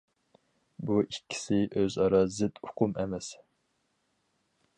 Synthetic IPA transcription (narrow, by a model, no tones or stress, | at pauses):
buʔikʲʰːi̥sɪʔøzɑɾɑːzɪd̪ʊqʰʊmʔɛmɛs